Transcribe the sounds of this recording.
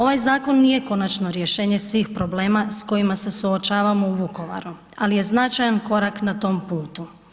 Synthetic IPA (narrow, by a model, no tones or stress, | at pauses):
o̞ʋajzaːko̞nːije̞ko̞nat͡ʃno̞ɾjeʃe̞ːɲe̞sʋiːxpɾo̞ble̞ːmasko̞jimase̞suot͡ʃaːʋamouʋuko̞ʋa̰ɾu | alije̞znat͡ʃajanko̞ɾaknat̪o̞ːmpuːt̪u